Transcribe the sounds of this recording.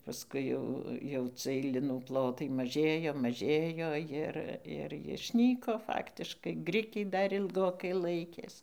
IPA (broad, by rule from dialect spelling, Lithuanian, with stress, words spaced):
pɐsˈkʊɪ jɛʊ jɛʊ ˈt͡sɨɜj ˈlʲɪnuː ˈplˠoːtɐɪ mɐˈʒʲeːjoː mɐˈʒʲeːjoː ˈjɪr ɪr jɪʃʲˈnʲiːkoː ˈfɑːktʲɪʃkɐɪ ˈɡrʲɪkʲɛɪ ˈdɐr ɪlˠˈɡoːkɐɪ ˈlˠɐɪkʲeːs